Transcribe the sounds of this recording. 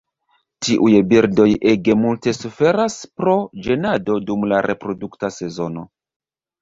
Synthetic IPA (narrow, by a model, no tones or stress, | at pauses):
tiʔujbiɾdo̞jeɡe̞multe̞sufe̞ɾaspɾo̞d͡ʒe̞nado̞dumlaɾʔe̞pɾo̞duktase̞zo̞no